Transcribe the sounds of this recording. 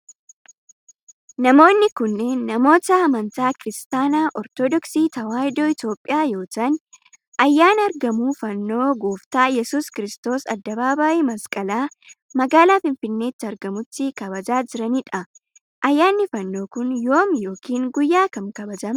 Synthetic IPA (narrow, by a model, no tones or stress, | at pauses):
nɐmo̞ːnːɪkʊnːe̞ːnːɐmo̞ːt̪ɐɐmɐnt̪aːkɪɾɪst̪aːnaːʔɔɾt̪ɔd̪ɔksiːt̪ɐwaːjd̪oːɪt̪o̞ːpʼːɪjaːjo̞ːt̪ɐn | ʔɐjːaːnɐɾɡɐmuːfɐnːo̞ːɡuːft̪aːjɛsuːskɪɾɪst̪o̞ːsɐ̰d̪ːɐbaːbaːʔimɐskʼɐlaː | mɐɡaːlaːfɪnfɪnːe̞ːt̪ːɪɐɾɡɐmʊt̪ːɪkɐbɐd͡ʒaːd͡ʒɪɾɐniːᶑɐ | ʔɐjːaːnːɪfɐnːo̞ːkʊnjo̞ːmjo̞ːkiːŋɡʊjːaːkɐmkɐbɐd͡ʒɐm